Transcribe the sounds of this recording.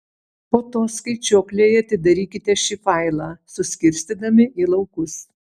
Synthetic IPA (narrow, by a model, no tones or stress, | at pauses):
poːt̪oːskɐɪt͡ʃʲoːklʲeːjɐt̪ʲɪd̪ɐɾʲiːkʲɪt̪ʲɛʃʲiːfɐɪlˠɑːsʊsʲkʲɪɾʲsʲt̪ʲiːd̪ɐmʲɪʔiːlˠɒʊkʊs